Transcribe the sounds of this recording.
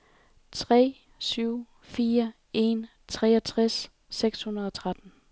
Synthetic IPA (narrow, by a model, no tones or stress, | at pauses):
t͡sʰʁɛ̰ː | syʊ̰ | fiːɐ | e̝n | t͡sʰʁɛːɒt͡sʰʁɛsː | eɡ̥shunɐð̞̩ˠɒ̽t͡sʰʁad̥n̩